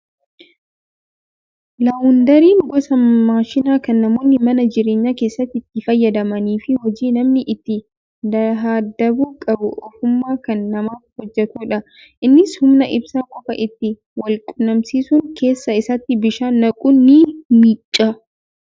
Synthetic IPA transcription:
lɐwʊnd̪ɐɾiːŋɡɔsɐmaːʃɪnaːkɐnːɐmo̞ːnːɪmɐnɐd͡ʒɪɾeːɲːake̞ːsːɐt̪ːɪt̪ːɪfɐjːɐd̪ɐmɐniːfɪhɔd͡ʒiːnɐmnɪʔɪt̪ːɪ | d̪ɐɾɦaːd̪ːɐbuːkʼɐbʊʔɔfʊmːaːkɐnːɐmaːfhɔd͡ʒːɛt̪uːᶑɐ | ʔɪnːɪshʊmnɐʔɪbsakʼɔfɐ̰ʔɪt̪ːɪ | wɐlkʼʊnɐmsiːsʊŋkʰe̞ːsːɐɪsɐt̪ːɪbɪʃaːnːɐkʼʊnːimiːt͡ʃʼːa

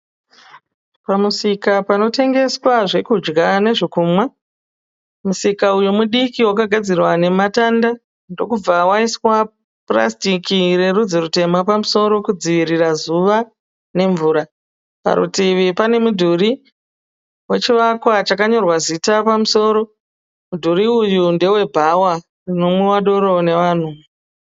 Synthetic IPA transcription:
pamusikapano̞te̞ŋɡe̞swaʐe̞kud͡ʒɡane̞ʐekumwa | musikaujomuɗikiwakaɡʱad͡zirwane̞matanda | ndo̞kub͡vawaiswa | pra̰stikire̞rud͡ziɾute̞mapamuso̞ɾo̞kud͡ziʋirirazuʋa | ne̞ɱvuːɾa | pa̰ɾṵtiʋipane̞mudʱuɾi | we̞t͡ʃiʋakwat͡ʃakaɲo̞rwazitapamuso̞ːɾo̞ | mudʱuɾiujunde̞we̞bʱawa | rino̞mwewaɗo̞ɾo̞ne̞ʋaːn̤u

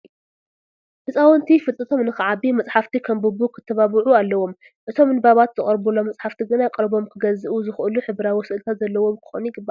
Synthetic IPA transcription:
ħɨsʼawɔnt̪ʰifɨt̪ʼɨt̪ʰo̞mnɨxɨʕabimɐt͡sʼħaft̪ʰikʰɐmbɨbukʰɨ̥t̪ʰːɐβaβɨʕualːɐwo̞m | ʔɨt̪ʰo̞mɨnbaβat̪z̥ɨkʼɐɾbulo̞mɐt͡sʼħaft̪ʰiɡɨnakʼɨɾbo̞mkʰɨɡɐzɨʔuzɨxʔɨluħɨβɾawɔsɨʔɨlt̪ʰat̪zɐlːɐwo̞mkʰɨ̥xo̰njɪɡɨbːa

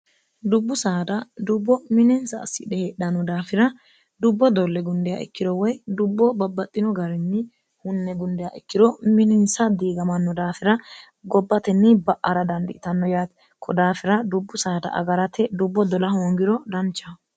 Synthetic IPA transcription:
d̪ʊbːʊsaːd̪ɐd̪ʊbːɔmɪnɪnsɐ̰ːsːɪ̰d̪ɛheᶑɐnːɔd̪aːfɪɾɐ | d̪ʊbːɔd̪ɔlːɛɡʊnd̪ɛjɐ̰ʔɪ̰kːɪd̪ɔwɔjd̪ʊbːɔbɐbːɐt̪ʼːɪnɔɡɐɾɛnːɪ | hʊnːɛɡʊnd̪ɛjaʔɪkːɪd̪ɔmɪnɪnsɐd̪iːɡɐmɐnːɔd̪aːfɪɾɐ | ɡɔbːɐt̪ɛnːɪbɐʔʔɐɾɐd̪ɐnd̪ɪʔɪt̪ɐnːɔjaːt̪ | kʰɔd̪aːfɪɾɐd̪ʊbːʊsaːd̪ɐ̰ʔɐ̰ɡɐɾɐt̪ɛd̪ʊbːɔd̪ɔlɐhoːŋɡɪɾɔd̪ɐnt͡ʃːɐ

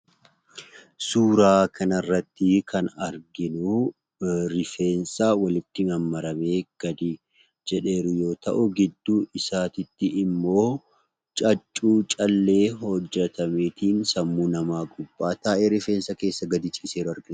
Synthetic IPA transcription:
suːɾaːkʰɐnɐrːɐt̪ːɪkʰɐnɐɾɡɪnu | ɾɪfeːnsawɐlɪt̪ːɪmɐmːɐɾɐmeːɡ̥ɐd̪i | d͡ʒɛᶑe̞ːɾʊjo̞ːt̪ɐʔʊɡɪd̪ːuːɪsaːt̪ɪt̪ːɪʔɪmːo̞ː | t͡ʃʼɐt͡ʃʼːuːt͡ʃʼɐlːe̞ːɦɔd͡ʒːɛt̪ɐmeːt̪iːnsɐmːuːnɐmaːɡʊbːaːt̪aːʔeːɾɪfe̞ːnsːɐke̞ːsːɐɡɐd̪ɪt͡ʃʼiːseːɾɐɾɡɪn

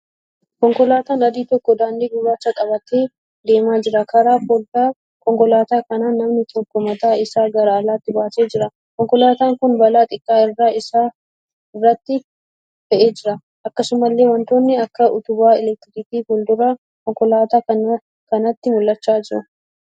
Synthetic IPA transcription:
kɔŋkɔlaːt̪aːnɐd̪iːt̪ɔkːɔd̪aːnd̪iːɡʊbaːt͡ʃːɐkʼɐbɐt̪eː | d̪e̞ːmaːd͡ʒɪɾɐkʰɐɾaːfɔlt̪aː | kɔŋkɔlaːt̪aːkɐnaːnːɐmnɪt̪ʰɔkːɔmɐt̪aːɪsaːɡɐɾaːlaːt̪ːɪbaːseːd͡ʒɪɾɐ | kɔŋkɔlaːt̪aːŋkʊnbɐlaːt̪ʼɪkʼːaːɪrːaːɪsaː | ɪrːɐt̪ːɪ | fɛʔeːd͡ʒɪɾɐ | ʔɐkːɐsʊmɐlːe̞ːwɐnt̪o̞ːnːɪɐkːɐʔʊt̪ʊbaːɛlɛk̚t̪ɪɾɪt̪iːfɔld̪ʊɾa | kɔŋkɔlaːt̪aːɐ | kɐnɐt̪ːɪmʊlːɐt͡ʃːaːd͡ʒɪɾɐ̰

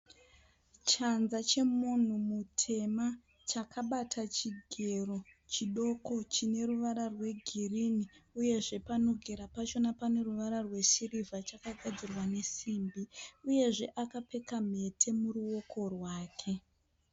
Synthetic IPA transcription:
t͡ʃanzat͡ʃe̞mun̤umutʰe̞ma | t͡ʃakʰaɓatʰat͡ʃiɡʱe̞rot͡ʃiɗo̞ko̞t͡ʃine̞ruʋaɾarwe̞ɡʱiriniuje̞ʐe̞pano̞ɡʱe̞ɾapat͡ʃo̞napane̞ruʋaɾarwe̞sirivat͡ʃakaɡʱad͡zirwane̞simbiuje̞ʐe̞ʔakape̞kam̤e̞tʰe̞muruwo̞kʰo̞rwaːkʰe̞

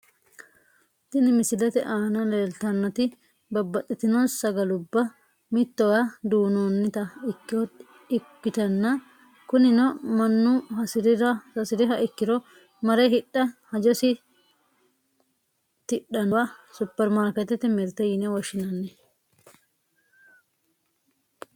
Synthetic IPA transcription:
t̪ɪnɪmɪsɪlɐt̪ɛʔaːnɐleːlt̪ɐnːɔt̪ɪ | bɐbːɐt̪ʼːɪt̪ɪnɔsɐɡɐlʊbːɐ | mɪt̪ːɔwad̪uːnoːnːɪt̪ɐɪkːɪɔ | ɪkːɪt̪ɐnːɐ | kʊnɪnɔmɐnːʊhɐsɪdɪɐɐsɪd̪ɪɦɐʔɪkːɪɾɔ | mɐɾɛɦɪɗːɐhɐd͡ʒɔsɪ | t̪ɪɗɐnɔwɐsʊpːɛɾmaːɾkɛt̪ːɛt̪ɛmɛɾt̪ːɐjɪnɛwɔʃːɪnɐnːɛ

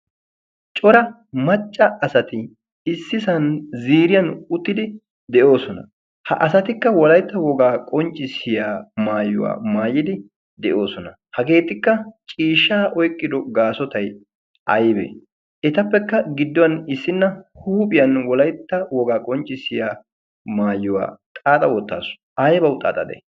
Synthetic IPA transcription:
t͡ʃʼɔɾɐ | mɐt͡ʃʼːɐɐsɐt̪ɪ | ɪsːɪsɐnziːɾɪjɐnʊt̪ːɪd̪ɪ | d̪ɛʔo̞ːsɔnɐ̰ | hɐ̰ʔɐsɐt̪ɪkːɐwɔlɐjt̪ːɐwɔɡaːkʼɔnt͡ʃʼːɪsɪjaːmaːjʊ̰wa̰ːmaːjɪd̪ɪ | d̪ɛʔo̞ːsɔnɐ | hɐɡe̞ːt̪ːɪkːɐt͡ʃʼiːʃːaːʔɔjkʼːɪd̪ɔɡaːsɔt̪ɐj | ɐjbḛ | ʔɛt̪ɐpːɛkːɐɡɪd̪ːɔwɐnɪsːɪnːɐhuːpʼɪjɐnwɔlɐjt̪ːɐwɔɡaːkʼɔnt͡ʃʼːɪsɪjaː | maːjːʊwa̰ːt̪ʼaːt̪ʼɐwɔt̪ːa̰ːsʊ̥ | ɐjbɐwʊt̪ʼːa̰ːt̪ʼɐd̪ɛ̰

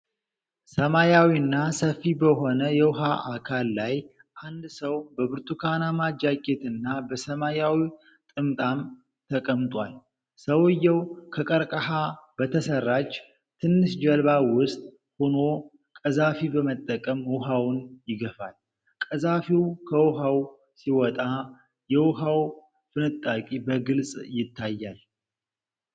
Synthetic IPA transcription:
səmajawinːasəfːibəɦo̞nəjɛwʊɦaʔakʰalːaj | ʔand̪səwbəbɨɾt̪ʰʼukʰanamad͡ʒaɡʼet̪ɨnːabəsəmajawi | t̪ʼɨmt̪ʼam | t̪ʰəkʼəmt̪ʼwal | səwɨjːɛwkʰəkʼəɾkʼəɦab̥ət̪ʰəsərːat͡ʃː | t̪ʰɨnːɨʃd͡ʒɛlβawʊst̪ʼ | hono̞ | kʼəzafibəmət̪ʼːəkʼəmwʊɦawʊnjɪɡəfal | kʼəzafiwkʰəwʊɦaw | siwɔt̪ʼa | jɛwʊɦaw | fɨnɨt̪ʼːakʼibəɡɨlsʼjɪt̪ʰːajːal

